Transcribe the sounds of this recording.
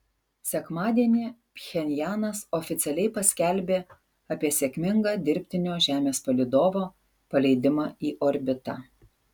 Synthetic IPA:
sʲɛkmɑːd̪ʲiɛnʲipʲxʲɛnʲjæːnɐsɔːfʲɪt̪sʲɛlʲɛɪpɐsʲkʲɛlʲbʲeː | ɐpʲiɛsʲekʲmʲɪŋɡɑːd̪ʲɪɾʲpʲt̪ʲɪnʲoːʒʲæːmʲeːspɐlʲɪd̪oːʋoː | pɐlʲɛɪd̪ʲɪmɑːiːʔɔɾʲbʲɪt̪ɑ̰

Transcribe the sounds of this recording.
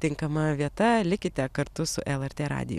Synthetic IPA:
t̪ʲɪŋkɐmɐʋʲiɛt̪ɐlʲɪkʲɪt̪ʲɛkɐɾt̪ʊsʊʔɛlˠɛɾʲt̪ʲeːɾɑ̰ːd̪ʲɪ̰jʊ̰

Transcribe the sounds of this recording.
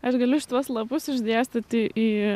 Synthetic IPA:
ɐʃɡɐlʲʊʃʲɪ̥t̪uɔslˠɐpʊsɪʒʲd̪ʲeːsʲt̪ʲɐt̪iʔiː

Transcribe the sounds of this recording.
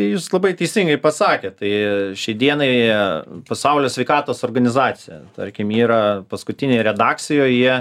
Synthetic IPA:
ɪjuːslˠɐbɐɪt̪ʲɛɪsʲɪŋɡɐɪpɐsɑːkʲeːtt̪ɐɪʃʲɛɪd̪ʲiɛnɐɪ | pɐsɐʊlʲoːsʲʋʲɛɪkɑːt̪oːsoːrɡɐnʲɪzɑːsʲɪjɛ̰t̪ɐ̰ɾʲkʲɪmiːɾɐpɐskʊt̪ʲɪnʲeːɾʲɛd̪ɑːk̪sʲɪjoːjjiɛ

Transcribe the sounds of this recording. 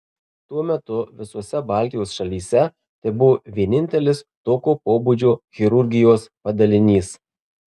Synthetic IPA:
t̪uɔmʲɛt̪ʊʋʲɪsuɔsʲɛbɐˑlʲt̪ʲɪjoːsʃɐlʲiːsʲɛ | t̪ʲɛbʊʋoːʋʲiɛnʲɪnʲt̪ʲɛlʲɪst̪oːkʲoːpoːbud͡ʒʲoːɣʲɪɾʊɾʲɡʲɪjoːspɐd̪ɐlʲɪnʲiːs

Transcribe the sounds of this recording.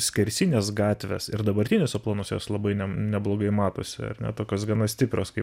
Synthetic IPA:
sʲkʲɛɾʲsʲinʲeːsɡɑːt̪ʲʋʲɛ̰sɪɾd̪ɐbɐɾʲt̪ʲɪnʲʊsɐplˠoːnoːsjo̰ːslˠɐbɐɪnʲɛnʲɛblˠoːɡɐɪmɑːt̪o̰ːsʲɪɐ̰rnʲɛ̰t̪oːkʲoːsɡɐnɐsʲt̪ʲɪpʲɾʲoːskɐɪ

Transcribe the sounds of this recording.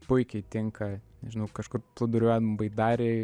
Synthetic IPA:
pʊɪkʲɛɪt̪ʲɪŋkɐnʲɛʒʲɪnɐʊkɐʃkʊrplˠɐd̪ʊɾʲʊæːd̪mmbɐɪd̪ɑːɾʲeː

